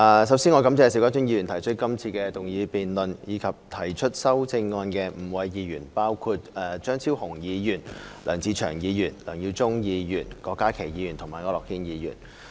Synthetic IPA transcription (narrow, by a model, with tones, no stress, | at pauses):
ʔaː˨˧sɐ˨˧wsiː˥nŋɔː˨˧kɐ˨˥mt͡sɛː˧˨˧si˨˥wkaː˥t͡ʃʊ˥ŋjiː˧jyː˨˩nt̪ʰɐ˨˩jt͡ʃʰɵ˥t̚kɐ˥mt͡sʰiː˧kɛː˧t̪ʊ˨ŋjiː˨˧piː˨nlɵ˨njiː˨˧kʰɐ˨p̚t̪ʰɐ˨˩jt͡ʃʰɵ˥t̚sɐ˥wt͡sɪ˧ŋːɔː˧nkɛː˧m̩˨˩wɐ˨˧jjiː˨˧jyː˨˩npaː˥wkʰu˧t̚ɛː˨t͡ʃœː˥ŋt͡sʰiː˥whʊ˨˩ŋjiː˨˧jyː˨˩nlœː˨˩ŋt͡sʰiː˨˧t͡ʃʰœː˨˩ŋjiː˨˧jyː˨˩nlœː˨˩ŋjiː˧wt͡sʊ˥ŋjiː˨˧jyː˨˩nkɔː˧kːaː˥kʰe˨˩jiː˨˧jyː˨˩nt̪ʰʊ˨˩ŋmaː˨jŋɔː˨˧˥lɔː˨˩k̚ʰiː˥njiː˨˧jy̰ː˨˩n